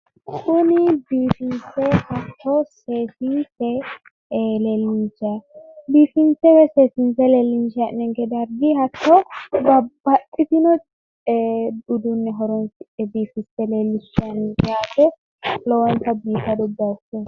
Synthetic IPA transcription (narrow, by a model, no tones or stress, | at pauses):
kʰʊnɪbiːfɪnsɛhɐt̪ʰːɔseːsinsɛ | leːlːɪnt͡ʃabiːfɪnsɛwɛseːsɪnsɛlelːɪnt͡ʃɐʔnɛŋkɛd̪ɐɾɡɪhɐt̪ːɔbɐbːɐtʼːɪt̪ɪnɔ | ʊd̪ʊnːɛɦɔɾɔnsɪɛbiːfɪsɛleːlːɪʃɐnːkɛaːt̪ɛ | lɔwɐnt̪ɐbiːfɐd̪ɔd̪ːɐtːɛ